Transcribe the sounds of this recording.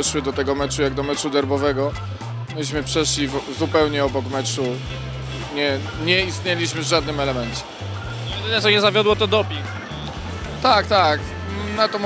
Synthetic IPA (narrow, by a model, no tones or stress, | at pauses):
ɛʂwɘd̪ɔt̪ɛɡɔmɛt͡ʂujaɡd̪ɔmɛt͡ʂud̪ɛɾbɔvɛɡɔ | mɘɕmɘpʂɛʂlʲivzupɛwɲɛɔbɔkmɛt͡ʂu | ɲɛ | ɲɛist̪ɲɛlʲiɕmɘvʐad̪̚nɘmɛlɛmɛnt͡ɕɛ̥ | jɛd̪ɪnɛt̪sɔɲɛzavʲjɔd̪wɔt̪ɔd̪ɔpʲik | t̪ak̚t̪ak | nat̪ɔm